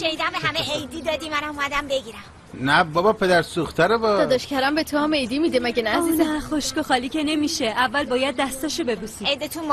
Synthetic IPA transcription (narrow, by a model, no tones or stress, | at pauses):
ʃenid̪æmbeɦæmeʔejd̪iːd̪ɒd̪imænamumæd̪æmbe̞ɡiɾæm | næbɒbɒpʰe̞d̪æɾsuxt̪ʰæɾebɒd̪ɒːd̪ɒʃcʰæɾæmbe̞t̪ʰoɒme̞jd̪imid̪emæɟenææziːzeχoʃkoxɒːliːce̞ne̞miːʃe̞ʔævːælbɒːjæd̪̚ːæst̪ɒːʃobe̞busiejd̪et̪ʰunm